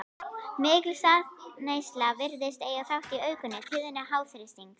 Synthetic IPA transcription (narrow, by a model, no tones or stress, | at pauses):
mɪːklsaðneːjst̪lavɪɾðɪst̪ejɣaθawht̪iœːɥkʏnːɪt̪ʰɪðʏnːɪɦawθɾɪst̪iŋk